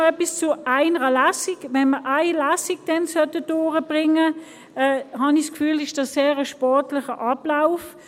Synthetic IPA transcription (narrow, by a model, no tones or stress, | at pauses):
ɛpist͡sʊaɪnəʁəlæsiɡʋɛnməʔaɪlaːsiɡ̚d̥ɛnsœtədʊːʁəb̥ʁɪŋə | ɛɦɑniskfyːlɪʃd̥ɑsseːʁəʃpɔʁtlɪχəʔɑb̥laʊf